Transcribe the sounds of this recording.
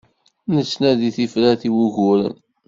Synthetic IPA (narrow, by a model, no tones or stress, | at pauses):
nət͡sːnæðiθifɾæθiwuʝʊɾə̰n